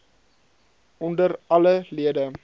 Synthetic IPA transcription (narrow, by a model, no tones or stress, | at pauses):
ʔɔndərɐləliədə